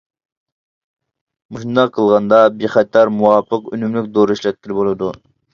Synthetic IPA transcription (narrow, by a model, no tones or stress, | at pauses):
muʃund̪ɑqʰːəlˠʁɑnd̪ɑbɪχɛt̪ʰːɑɾmuwɑpʰəqønymlykʲd̪oɾiʃlɛt̪̚kʲiɪlɪbolˠɨd̪u